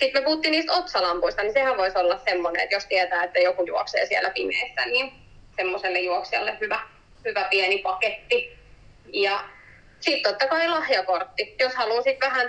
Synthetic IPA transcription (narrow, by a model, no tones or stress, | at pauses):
sit̪mepuhut̪ːiːniːst̪ot̪sɑlɑmpuist̪ɑnisehæʋʋoisolːɑssemːonḛḛt̪jost̪iɛt̪æːet̪ːæjokujuɔksḛːsiɛlːˑæpimḛːsːæniːn | semːoselːejjuɔksiɑ̰lːehyʋæ | hyʋæpiɛnipɑket̪ːi | jɑ | siˑt̪t̪ot̪ːɑkɑilɑhjɑkort̪ːijoshɑluːsit̪ʋæhæn